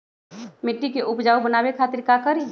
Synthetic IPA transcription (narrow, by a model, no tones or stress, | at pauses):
mɪʈːikeʔʊpd͡ʒaːubənaːbekʰaːt̪ɪɾkakəɾi